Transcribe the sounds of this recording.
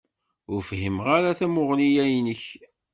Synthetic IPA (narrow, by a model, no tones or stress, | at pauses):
ʊɾfɦimʁaɾaθæmʊʁlijæjnəç